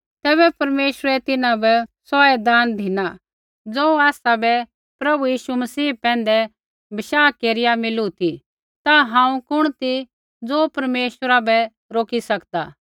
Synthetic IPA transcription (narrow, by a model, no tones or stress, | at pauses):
t̪ɛːβɛpɐɾmeːʃəɾɛt̪ɪnãbɛsɔːɛd̪aːnd̪ʱɪna | d͡zoːaːsabɛ | pɾɐbujiːʃumɐsiːpɛ̃ːn̆d̪ɛ | bɐʃaːkeːɾɪjamɪlut̪ʰi | t̪aɦãːũkʊɽ̃t̪i | d͡zoːpɐɾmeːʃəɾabɛ | ɾoːkisɐkd̪a̰ː